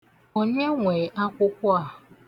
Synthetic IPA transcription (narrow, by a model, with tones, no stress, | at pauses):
o˦ɲe˦ŋʷe˨ʔa˦kʷʊ˦kʷʊ˦a˨